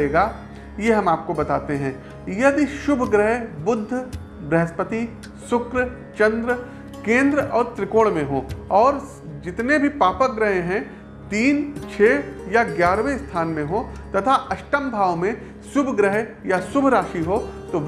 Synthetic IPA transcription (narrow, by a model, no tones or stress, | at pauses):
eːɡaː | jeɦɐmaːp̚kobɐt̪a̰ːt̪eɦɛ̃ː | jɐd̪iʃʊbʱɡɾəɦbʊd̪ʱː | bɛɦəspət̪i | sʊkɾ | t͡ʃɐ̃nd̪ɾə | kẽːnd̪ɾəɔːɾt̪ɾɪkoːɽmẽɦõːɔːɾ | d͡ʒɪt̪nebʱipaːpək̚ɡɾɐɦeɦɛ̃ | t̪iːnt͡ʃʰeːjaɡjaːɾʋest̪ʰaːnmẽɦõt̪ɐt̪ʰaʔɐʃʈəmbʱaːʋmẽ | sʊbʱɡɾəɦjasʊbʱɾaːʃiɦoːt̪oʋ